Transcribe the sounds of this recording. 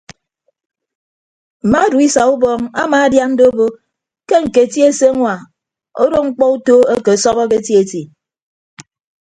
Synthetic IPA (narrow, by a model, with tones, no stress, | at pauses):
m̩˨ma˦du˨i˦sa˨u˦bɔ˦ŋa̰˦ma˨a˦dja˦mn̩˦do˦o˦bo˦ | ke˦ŋ̩˨ke˨ti˦e˦se˦ŋʷa˨ | o̰˦ɾo˦ŋ͡m̩˦k͡pɔ˦u˦to˦e˦ke˨sɔ˦ɣɔ˦k̬e˦ti˦e˨ti˨